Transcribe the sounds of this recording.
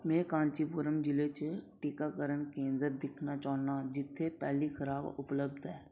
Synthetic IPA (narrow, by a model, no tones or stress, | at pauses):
mẽːkãːnt͡ʃipʊɾəmd͡ʒɪlet͡ʃʈikakəɾənkẽːnd̪əɾd̪ɪkʰnat͡ʃaːnad͡ʒɪt̪ʰːepɛːlixʰəɾaːbʊpləbd̪ɦɛː